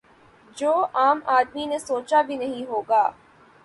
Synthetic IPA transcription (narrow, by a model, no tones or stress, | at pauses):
d͡ʒoːaːmaːd̪minesoːt͡ʃabʱinɐɦĩɦoːɡaː